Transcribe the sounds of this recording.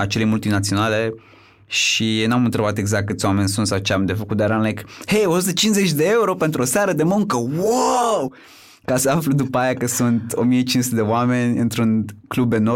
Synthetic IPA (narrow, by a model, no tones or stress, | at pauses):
at͡ʃe̞le̞jmult̪inat̪sio̞nale̞ | ʃinamɨnt̪ɾe̞bat̪e̞ɡzak̚t̪̚ːkɨt̪sʲoame̞nʲsunt̪sawt͡ʃeamd̪e̞fəkut̪̚d̪aɾanlejkhejo̞sut̪ət͡ʃinze̞t͡ʃʲd̪ee̞uɾo̞pe̞nt̪ɾuosaɾəd̪e̞muŋkəwaw | kasəaflud̪upajakəsunt̪omiet͡ʃinsut̪ed̪e̞oame̞nʲɨnt̪ɾunklubd̪eno